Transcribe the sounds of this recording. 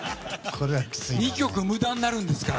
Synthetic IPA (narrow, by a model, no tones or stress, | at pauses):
kʰoɾeaksmʲikʲo̞kɯ̟mɯ̟d̪ãnːaɾɯ̃nd̪e̞sɨ̥ka